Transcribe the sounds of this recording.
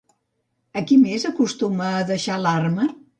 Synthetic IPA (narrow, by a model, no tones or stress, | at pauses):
əkimezəkust̪uməːðəʃalarmə